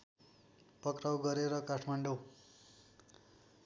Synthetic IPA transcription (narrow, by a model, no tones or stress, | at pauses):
pʌkrawɡʌɾeɾʌkaʈʰmaɳɖo